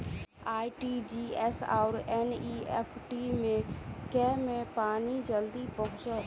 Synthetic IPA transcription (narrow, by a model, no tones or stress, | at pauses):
aːiʈid͡ʒiesa̰ʊɾeniepʰʈimẽkɛmẽpaːnid͡ʒəld̪ipəɦʊ̃t͡ʃəl